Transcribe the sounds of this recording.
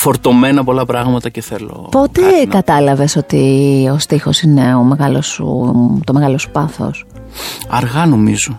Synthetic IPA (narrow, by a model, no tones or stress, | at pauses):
fo̞ɾt̪o̞me̞nɐpo̞lɐpɾɐɣmɐt̪ɐceθelo̰po̞t̪e̞kɐt̪ɐlɐve̞so̞t̪io̞st̪ixo̞sine̞o̞me̞ɣɐlosṵt̪o̞me̞ɣɐlo̞su̥pɐθo̞̰s | ɐɾɣɐno̞mizo